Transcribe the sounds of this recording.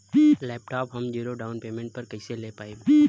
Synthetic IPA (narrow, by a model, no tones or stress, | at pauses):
lɛːp̚ʈaːpɦɐmd͡ʒiːɾoɖaːʊnpeːmẽːɳʈ̚pəɾkəɪselepaːib